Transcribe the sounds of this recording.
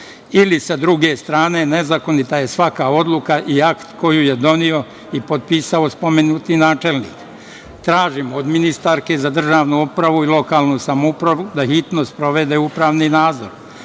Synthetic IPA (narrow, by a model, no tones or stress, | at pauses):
ilisad̪ɾuɡest̪ɾaːne̞ne̞zako̞nit̪aje̞sʋakao̞d̪lˠukaʔiakt̪ko̞juje̞d̪o̞nio̞ | ipo̞d̪̚piːsaospo̞menuːt̪inaːt͡ʃe̞lnḭːk | t̪ɾaːʒimod̪minist̪aɾke̞zad̪r̩ʒaːʋnuupɾaʋuilo̞kaːlˠnusamoupɾaʋud̪axit̪nospɾo̞ʋe̞d̪e̞upɾaːʋninaːd̪zo̞̰ɾ